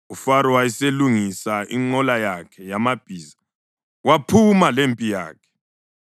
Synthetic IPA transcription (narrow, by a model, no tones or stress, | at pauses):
ufaɾɔwajiseluŋisaʔiŋ͡ǃɔlajakʰɛjamab̥ʱiːza | wapʰumalempʼija̰ːkʰɛ̥